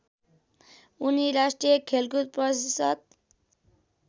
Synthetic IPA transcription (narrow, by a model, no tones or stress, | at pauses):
uniɾasʈɾijekʰelɡut̪̚pʌsisʌt̪̚